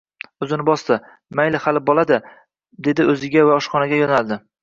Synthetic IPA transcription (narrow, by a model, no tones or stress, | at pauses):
ɵzɪnɪbɒst̪ɪ | majlɪhalɪbɒlˠad̪ɪ | d̪e̞d̪ɪɵzɪɡʲavaɒʃχɒnaɡʲajɒnalˠd̪ɪ